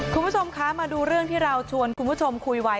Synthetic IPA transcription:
kʰu˧nmbu˦˥t͡ɕʰo˧mkʰa˦˥maː˧duː˧ɾɯ˥˩əŋt̪ʰiː˥˩ɾa˧wt͡ɕʰu˧ənkʰu˧nbu˦˥˩t͡ɕʰo˧mkʰu˧jwa˦˥

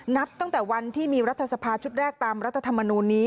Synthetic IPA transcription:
na˦˥p̚t̪ɔ˥˩ŋt̪ɛː˨˩wa˧nt̪ʰiː˥˩miː˧ɾa˦˥t̪ʰːa˧sa˧pʰaː˧t͡ɕʰu˦˥t̪̚ɾɛː˥˩k̚t̪aː˧mɾa˦˥t̪ʰːa˧t̪ʰa˧mːa˧nuː˧nːiː˦˥

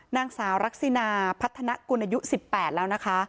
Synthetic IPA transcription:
naː˧ŋsaː˩˦wɾa˦˥k̚si˧naː˧pʰa˦˥t̪ʰːa˧na˦˥ʔku˧nʔaː˧ju˦˥ʔsi˨˩pːɛː˨˩t̪̚lɛː˦˥wna˦˥kʰa˦˥

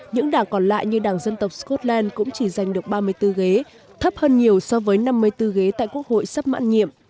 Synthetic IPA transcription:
ɲɨ̰˧˥ŋɗaː˧˩ŋkɔ˧˩nla̰ː˧˨jɲɨ˧ɗaː˧˩ŋzə˧nt̪ə˨˩wk͡p̚skɔ˦˥t̚lɛ˧nkʊ̰˧˥ŋ͡mt͡ɕi˧˩za˨˩jŋ̟ɗɨ˨˩ək̚ɓaː˧mɨ˧əjt̪ɨ˧ɣe˨˦ | t̪ʰə˦˥p̚həː˧nɲi˨˩əwsɔ˧vəː˨˦jna˧mːɨ˧əjt̪ɨ˧ɣe˨˦t̪a̰ː˧˨jku˦˥ək̚ho̰˧˨jsə˦˥p̚ma̰ː˧˥nɲḭ˧˨əm

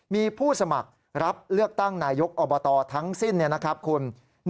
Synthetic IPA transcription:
miː˧pʰuː˥˩sa˧ma̰˨˩k̚ | ɾa˦˥p̚lɯ˥˩ək̚t̪a˥˩ŋnaː˧jo˦˥k̚ʔɔː˧bɔː˧t̪ɔː˧t̪ʰa˦˥ŋsi˥˩nːi˥˩ɐna˦˥kʰɾa˦˥p̚kʰu˧n | n

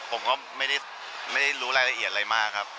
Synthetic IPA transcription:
pʰo˩˦mkɔː˥˩ma˥˩jda˥˩ | ma˥˩jda˥˩jɾuː˦˥ɾaː˧jla˧ʔi˨˩ə˩t̪̚aɾa˧jmaː˥˩kʰɾa˦˥p̚

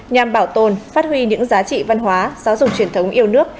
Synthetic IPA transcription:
ɲa˨˩mɓaː˧˩wt̪o˨˩nfaː˦˥t̚hwi˧ɲɨ̰˧˥ŋzaː˨˦t͡ɕḭ˧˨va˧nɦwaː˨˦zaː˨˦wzʊ˨˩k͡p̚t͡ɕi˧˩ənt̪ʰə˨˦wŋ͡mʔi˧əwnɨ˦˥ək̚

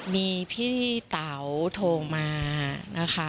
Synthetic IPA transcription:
miː˧pʰiː˥t̪a˩˦wt̪ʰoː˧ŋmaː˧na˦˥kʰa˦˥

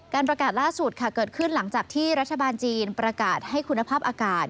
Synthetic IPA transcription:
kaː˧npɾa˧kaː˨˩t̪̚laː˥˩su˨˩t̪̚kʰa˥˩kɤː˨˩t̪̚kʰɯ˥˩nla˩˦ŋt͡ɕaː˨˩k̚t̪ʰiː˥˩ɾa˦˥t̪̚ʰːa˧baː˧nt͡ɕiː˧npɾa˧kaː˨˩t̪̚ha˥˩jkʰu˧nːa˧pʰaː˥˩p̚ʔaː˧kaː˨˩t̪̚

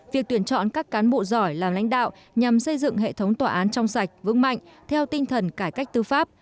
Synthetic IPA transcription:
vi˨˩ək̚t̪wi˧˩ənt͡ɕɔ̰˧˨nkaː˦˥kːaː˨˦nɓo̰˧˨zɔ˧˩jlaː˨˩mla̰˧˥jŋ̟ɗa̰ː˧˨wʔ | ɲa˨˩msə˧jzɨ̰˧˨ŋɦḛ˧˨t̪ʰə˨˦wŋ͡mt̪waː˨˩ʔaː˨˦nt͡ɕɔ˧wŋ͡msa˨˩jk̟̚vɨ̰˧˥ŋma̰˧˨jŋ̟t̪ʰɛ˧wt̪ï˧ŋ̟t̪ʰə˨˩nkaː˧˩jka˦˥jk̟̚t̪ɨ˧faː˦˥p̚

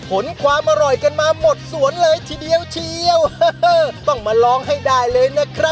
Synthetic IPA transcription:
pʰo˩˦nkʰwaː˧mʔa˧ɾɔ˨˩jka˧nmaː˧mo˨˩t̪̚su˩˦ənlɤː˧jt̪ʰiː˧di˧əwt͡ɕʰi˧əwːt̪ɔ˥˩ŋmaː˧lɔː˦˥ŋɦa˥˩jdaː˥˩jlɤː˧jna˦˥kʰɾa˦˥p̚

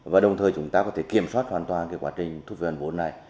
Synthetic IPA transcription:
vaː˨˩ɗə˨˩wŋ͡mt̪ʰəː˨˩jt͡ɕʊ˨˦ŋ͡mt̪aː˧kɔ˨˦t̪e˧˩ki˧˩əmswaː˦˥t̚hwaː˨˩nt̪waː˨˩nkaː˨˦jkwaː˨˦t͡ɕï˨˩ŋ̟t̪ʰu˦˥p̚və˨˧˩vo˨˦nːa˨˩j

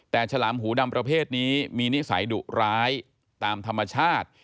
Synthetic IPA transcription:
t̪ɛː˨˩t͡ɕʰa˧laː˩˦mɦuː˩˦da˧mpɾa˧pʰeː˥˩t̪̚niː˦˥miː˧ni˦˥sa̰˩˦jdṵ˨˩ɾaː˦˥j | t̪aː˧mt̪ʰa˧mːa˧t͡ɕʰaː˥˩t̪̚

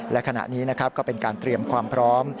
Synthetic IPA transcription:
lɛ˦˥kʰa˧na̰˨˩ʔniː˦˥na˦˥kʰa˦˥p̚kɔː˥˩pe˧nkaː˧nt̪ɾi˧əmkʰwaː˧mpʰɾɔː˦˥m

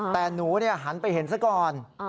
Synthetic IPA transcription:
t̪ɛː˨˩nuː˩˦ni˥˩ɐɦa˩˦npa˧jhe˩˦nsa˧˥kɔː˧n

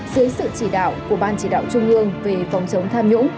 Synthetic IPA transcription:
zəː˨˦jsɨ̰˧˨t͡ɕi˧˩ɗa̰ː˧˨wku˧˩əɓaː˧˩nt͡ɕi˧˩ɗa̰ː˧˨wt͡ɕʊ˧ŋ͡mʔɨ˧əŋve˨˩fɔ˨˦wŋ͡msə˨˦wŋ͡mt̪ʰaː˧mɲʊ̰˧˥ŋ͡m

